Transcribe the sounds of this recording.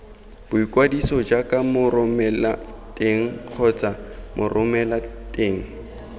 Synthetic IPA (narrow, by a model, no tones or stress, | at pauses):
b̥ʊikʼwadisɔd͡ʒakʼamʊrʊmɛla̰tʼeŋ̩q͡χʰɔt͡sʼamʔʊrʔʊmɛlatʼeːŋ̩